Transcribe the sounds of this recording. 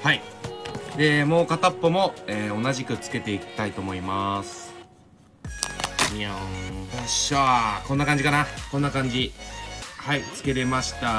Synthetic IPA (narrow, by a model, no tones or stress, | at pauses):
hai | d̪e̞mo̞ːkat̪apːomo̞eːo̞naʑikɯ̟t͡sɨ̥ke̞t̪e̞ikʲi̥t̪ait̪o̞ːmo̞imasɨ̥ | iahaɕβako̞nːakãɲ̟d͡ʑikanako̞nːakãɲ̟d͡ʑi | hait͡sɨ̥ke̞ɾe̞maɕi̥t̪a